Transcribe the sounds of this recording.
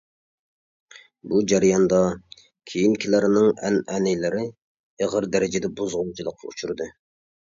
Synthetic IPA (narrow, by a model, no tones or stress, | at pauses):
bud͡ʒæɾjɑnd̪ɑ | kʲʰejinkʲʰilæɾnɪŋɛnɛnɪlɪɾɪ | eʁəɾd̪ɛɾɪd͡ʒɪd̪ɛbuzʁʊlˠt͡ʃʰilˠəqʰːɑ̰ut͡ʃʰuɾɨd̪ɨ